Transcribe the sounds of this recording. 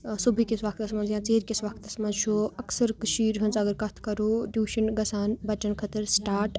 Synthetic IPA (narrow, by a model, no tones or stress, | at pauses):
subʱikisʋɐkʰt̪ɐsmɐnzjãːt͡seːɾkisʋɐkʰt̪ɐsmɐnzt͡ʃʰuɐksəɾkəʃiːɾɦɐnt͡sɐɡəɾkɐt̪ʰkɐɾoːdʲjuːʃənɡɐsaːnbɐt͡ʃɐnkʰɐt̪əɾsʈaːɾʈ